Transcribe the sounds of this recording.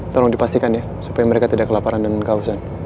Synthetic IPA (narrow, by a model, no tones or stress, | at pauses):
t̪oɾɔŋdipast̪ikanja | su̥pajaməɾekat̪idaʔkəlapaɾandəŋankausan